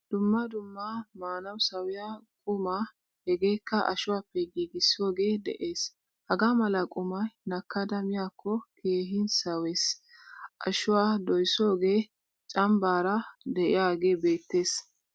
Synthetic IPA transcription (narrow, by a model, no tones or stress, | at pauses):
d̪̥ʊmːɐd̪ʊmːɐmaːnɐwsɐwɪjakʼʊmɐ | hɛɡe̞ːkːɐʔɐ̰ʃʊwaːpːɛɡiːɡɪsːɪo̞ːɡe̞ːd̪ɛ̰ʔeːs | hɐɡamɐlɐkʼʊmɐjnɐkːɐd̪ɐmɪjaːkʰːɔkʰe̞ːɦɪnsɐwes | ʔɐʃʊwaːd̪ɔjso̞ːɡe̞ː | t͡ʃʼɐmbaːɾɐd̪ɛʔɪjaːɡeːbe̞ːt̪ːe̞ːs